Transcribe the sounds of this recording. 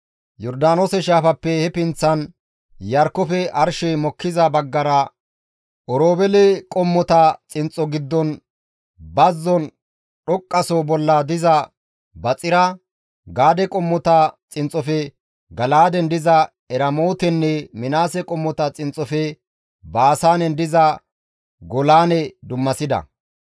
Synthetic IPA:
jɔɾd̪aːnoːsɛʃaːfɐpːɛhɛpɪnt͡sːɐn | jɐɾkːɔfɛʔɐɾʃɛmɔkːɪzɐbɐɡːɐɾɐ | ʔɔɾoːbɛlɛkʼɔmːɔt̪ɐt͡sʼɪnt͡sʼɔɡɪd̪ːɔn | bɐzːɔn | ɗɔkʼːɐsɔbɔlːɐd̪ɪzɐ | bɐt͡sʼɪɾɐ | ɡaːd̪ɛkʼɔmːɔt̪ɐt͡sʼɪnt͡sʼːɔfɛ | ɡɐlaːd̪ɛnd̪ɪzɐ | ɛɾɐmoːt̪ɛnːɛmɪnaːsɛkʼɔmːɔt̪ɐt͡sʼɪnt͡sʼːɔfɛ | baːsaːnɛnd̪ɪzɐ | ɡɔlaːnɛd̪ʊmːɐsɪd̪ɐ̰

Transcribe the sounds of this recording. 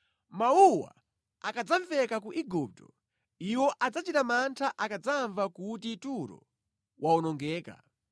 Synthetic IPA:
mauwa̰ | akad͡zaɱvɛkakuʔiɡup̚tɔ | iwɔʔad͡zat͡ʃitamantʰaʔakad͡zaɱvakutituɾɔ̰ | wʔaɔnɔŋɡɛːka̰

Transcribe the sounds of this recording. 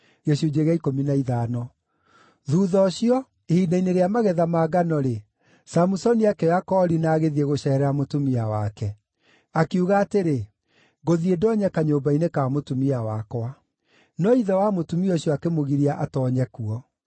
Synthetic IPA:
ɣeɕud͡ʑeɣaikominaiðanɔ | ðuːðɔɕjɔ | ehiːnaineɾeamaɣɛðamaːɡanɔɾe | samusɔniakɛakɔɾinaːɣeðieɣoɕɛɾɛamotumiawakɛ | akiuɣaːteɾe | ɣoðiedɔːɲɛkaɲoːbainekamotumiawakwa | nɔiðɛwamotumiɔɕiɔakemoɣiɾiaʔatɔːɲɛkuɔ

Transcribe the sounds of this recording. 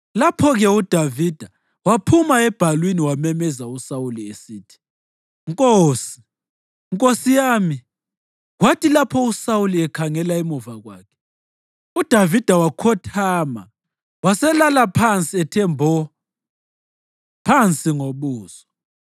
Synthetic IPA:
lapʰɔɣɛud̥ʱavid̥ʱa | wapʰumaɛb̥ʱalwiniwamɛmɛzausawuliesiːtʰi̥ | ŋkʼoːsi̥ | ŋkʼosijaːmi | ɣwatʰilapʰɔusawuliɛkʰaŋɛlaimuvaɣwa̰ːkʰɛ̥ | ud̥ʱavid̥ʱawakʰɔtʰaːma | wasɛlalapʰant͡sʼiɛtʰɛmbʱɔ | pʰant͡sʼiŋoβuːzɔ

